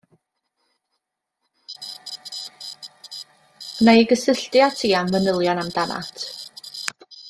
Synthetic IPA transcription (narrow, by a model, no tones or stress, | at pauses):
najɡəsɪɬtjatʰiːamvənəlˠjɔnamdana̰tʰ